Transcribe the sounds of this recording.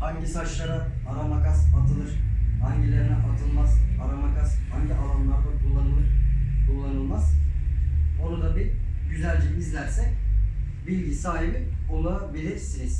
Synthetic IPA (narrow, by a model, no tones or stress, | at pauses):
haɲɟisat͡ʃlˠaɾa | aɾamakasat̪ʰɯlˠɯɾ̥haɲɟilʲeɾinɛʔat̪ʰɯlˠmaz̥aɾamakʰashaɲɟiʔalˠɯmlˠaɾd̪akʰulˠːanɯlˠɯɾ̥kʰulˠːanɯlˠmaz̥ | o̞ɾad̪abiɟyzælʲd͡ʒiizlʲæɾsɛc | bilʲɟisaːɦibiolˠaabilʲiɾsiniz̥